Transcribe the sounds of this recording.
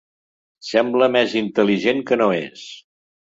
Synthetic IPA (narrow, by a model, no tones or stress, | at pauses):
sɛmbləmɛzint̪əliʒeŋkənoḛs